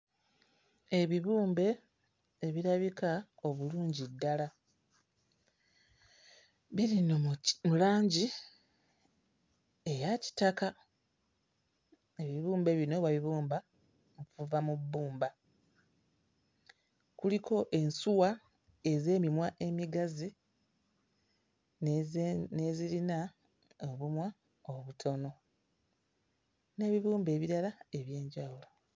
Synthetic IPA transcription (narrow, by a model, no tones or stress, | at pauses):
e̞βiβuːmbe̞ː | βiɾaβikao̞βuluːɲɟidːala | βiɾinomulaːɲɟi | e̞jaci̥taka | eβiβuːmbe̞βino̞βaβiβuːmba | mokfuvamubːuːmba | kulikʰo̞ʔe̞nsuwa | e̞ze̞ːmimwaʔe̞miɡazi | nezilina | oβumwa | oβutʰo̞no̞ | ne̞ːβiβuːmbe̞ːβiɾalae̞βje̞ːɲɟawulo̞